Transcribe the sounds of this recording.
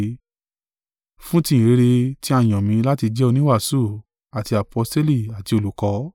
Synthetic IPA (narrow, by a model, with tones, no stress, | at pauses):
fũ˦tĩ˧ĩ˨ɾe˨˦ɾe˧ti˦a˧˨j̃ɔ̃˨mĩ˨˧˦la˦ti˧d͡ʒɛ˦o˧nĩ˦wa˦˨su˦˨ | a˨ti˧a˨pʰɔ˧ste˦li˦˨a˨ti˧o˧˨lu˨˦kɔ˨˧˦